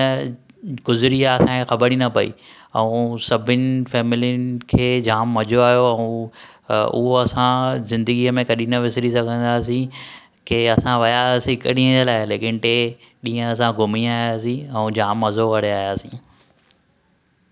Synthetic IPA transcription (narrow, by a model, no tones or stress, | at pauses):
ɡʊzɪɾiaɐsãkʰexɐbəɾinɐpɐḭ | ɛũsɐbʱɪnɪfɛːmɪlijʊnɪkʰeːd͡ʑaːmːɐʄoaːɦijoɛ̃ũ | ʊ̰ɦoɐsãzɪ̃nd̪əɡiəmẽkɐɗĩnəʋɪsɪɾisɐɡʱə̃nd̪aːsĩ | keɐsãʋɐjaːsĩkəɗĩɦə̃d͡ʑelaːɪleːkɪnʈe | ɗĩːɦə̃ɐs̬ãɡʊmiaːijaːs̬ĩɛ̃ũd͡ʑaːmːɐzokɐɽeaːjaːsĩː